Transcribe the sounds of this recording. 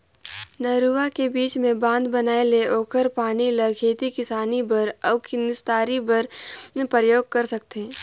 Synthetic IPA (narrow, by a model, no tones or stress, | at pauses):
nɐɾuːʋakebiːt͡ʃmẽbãːnd̪bɐnaːeleʔɔːkəɾpaːnilɐɡʰʱeːt̪ikɪsaːnibɐɾɐbkinɪst̪aːɾibɐɾpɾəjoːɡ̚kɐɾsɐk̚t̪ẽː